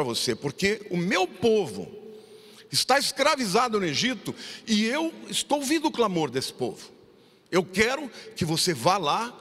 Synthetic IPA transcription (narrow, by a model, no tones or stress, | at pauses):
ɾɐvosepoɾkeʊmewpovʊ̰ | ɪst̪aeskɾavizad̪ʊnʊeʒit̪ʊɪewɪst̪owvĩd̪ʊʊklamoɾd̪esɪ̥po̰vʊ̥ | ewkɛɾʊkɪvosevala